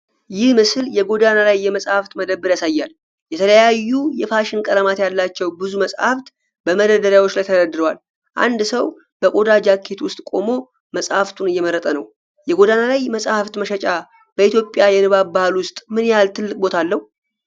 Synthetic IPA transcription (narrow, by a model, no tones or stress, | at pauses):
jɪhmɨsɨljɛɡo̞d̪analajːɛməsʼhaft̪məd̪əbːɨɾjasajːal | jɛt̪ʰələjajːujɛfaʃɪnkʼəɾəmat̪jalːat͡ʃːɛwbɨzuməsʼhaft̪ | b̥əməd̪əd̪əɾjawot͡ʃːlajt̪ʰəd̪əd̪ɨɾwal | ʔa̰nd̪səw | b̥əkʼo̞d̪ad͡ʒakʰːe̞t̪wʊst̪ʼkʼo̞mo̞ | məsʼhaft̪ʰunɨjːɛməɾːət̪ʼənə̰w | jɛɡo̞d̪analajməsʼhaft̪məʃɛt͡ʃʼa | b̥əit̪jo̞pʼːjajɛnɨβabahlwʊst̪ʼmɨnjalt̪ʰɨlːɨk̚ʼbo̞t̪ʰalːəh